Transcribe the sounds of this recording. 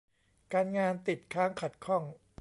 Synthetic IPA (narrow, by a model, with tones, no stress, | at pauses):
kaː˧nŋaː˧nt̪i˨˩t̪̚kʰaː˦˥ŋkʰa˨˩t̪̚kʰɔ˥˩ŋ